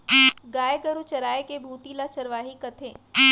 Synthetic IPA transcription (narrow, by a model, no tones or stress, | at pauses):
ɡaːeɡəɾut͡ʃɐɾaːekebʱuːt̪ilat͡ʃɐɾʋaːɦikɐt̪ʰeː